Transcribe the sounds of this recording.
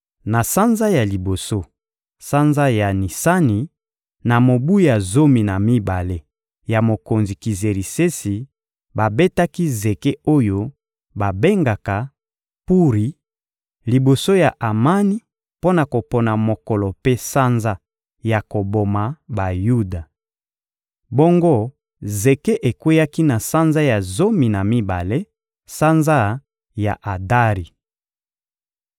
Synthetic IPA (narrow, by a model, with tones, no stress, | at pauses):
na˨sa˦nza˦ja˨li˨bo˨so˦ | sa˦nza˦ja˨ni˨sa˦ni˨ | na˨mo˨bu˦ja˨zo˦mi˨na˨mi˦ba˨le˦ | ja˨mo˨ko˨nzi˨ki˨ze˨ʁi˨se˦si˨ | ba˨be˦ta˦ki˦ze˨ke˦o˦jo˦ | ba˨be˦ŋɡa˨ka˨ | pu˦ʁi˨ | li˨bo˨so˦ja˨ʔa˨ma˦ni˦ | po˦na˨ko˨pɔ˨na˨mo˨kɔ˨lɔ˨pe˦sa˦nza˦ | ja˨ko˨bo˨ma˨ba˨ju˦da˨ | bo˦ŋɡo˦ | ze˨ke˦ʔe˨kwe˦ja˦ki˦na˨sa˦nza˦ja˨zo˦mi˨na˨mi˦ba̰˨le˦ | sa˦nza˦ | ja̰˨ʔa˨da˦ʁi˨